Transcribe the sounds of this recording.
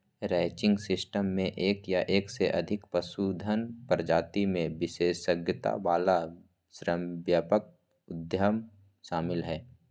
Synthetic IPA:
ɾɛːt͡ʃɪ̃ŋɡsɪsʈəmːẽʔeːkjaʔeːkseʔɐd̪ʱɪkpəsud̪ʱənpəɾd͡ʒaːt̪imẽʋɪʃeːsəɡjət̪a̰ʋaːla | ʃɾəmʋjaːpək̚ | ʊd̪jəm | ʃaːmɪlɦɛː

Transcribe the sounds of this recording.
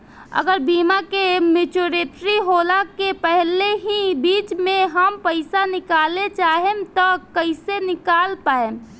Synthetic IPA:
ə̰ɡəɾbimakemit͡ʃoɾeʈ̪ɾiɦolakepəɦleɦibit͡ʃmeɦəmpəɪsanɪkalet͡ʃaɦemt̪ɔkəɪsenɪkalpae

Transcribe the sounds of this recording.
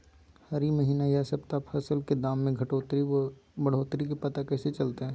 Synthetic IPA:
hɐɾimɐɦiːnajasɐbt̪apʰɐsəlked̪aːmːẽɡʱɐʈoːt̪ɾibɐɽ̤oːt̪ɾikepɐt̪akɛːset͡ʃɐlt̪eɦɛ̃ː

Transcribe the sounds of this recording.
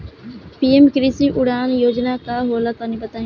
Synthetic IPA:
piːemkɪɾiːsiːʔʊɽaːnjoːd͡ʒnaːkaːɦoːlaːt̪aːnĩːbət̪aːj̃

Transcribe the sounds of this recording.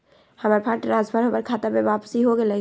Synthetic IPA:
hɐmaːɾpʰaʈɾaːzbʱəɾɦopəɾkʰaːt̪abeʋaːpsiɦoɡelə

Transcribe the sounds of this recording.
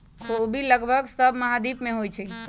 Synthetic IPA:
kʰobiləɡbʱəɡsəbʱməɦad̪ipmeɦojt͡ʃʰɛ

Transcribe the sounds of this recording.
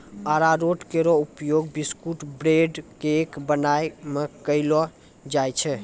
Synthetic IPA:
aɾaɾoʈkeɾɔupjoɡbiskuʈbɾeɖkeːkbənajmekəɪlɔ | d͡ʒajt͡ʃʰɛ

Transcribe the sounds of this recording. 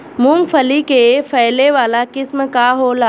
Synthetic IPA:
mũːmfʰəlikefʰɐɪleʋaːlakɪsmkaːɦoːlaː

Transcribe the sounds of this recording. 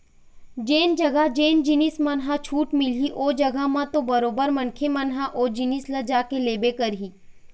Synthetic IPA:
d͡ʒeːnd͡ʒɐɡaɦd͡ʒeːnd͡ʒɪnismɐnɦat͡ʃʰuːʈmɪliʔoːd͡ʒɐɡaɦmãt̪obɐɾoːbəɾmɐnkʰemɐnɦaʔoːd͡ʒɪnislɐd͡ʒaːkeleːbekɐɾɦiː

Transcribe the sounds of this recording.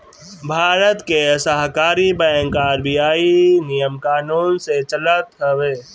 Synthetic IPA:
bʱaːɾət̪kesəɦkaːɾibɛə̃ŋkaɾbijaːinijəmkaːnuːnset͡ʃələt̪ɦəʋeː

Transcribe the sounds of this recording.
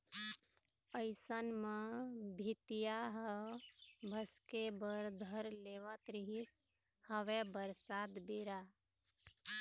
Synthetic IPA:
əɪsənmebʱit̪ijaɦə | bʱəskebəɾd̪ʱəɾleʋət̪ɾiɦis | həʋebəɾsad̪biɾa

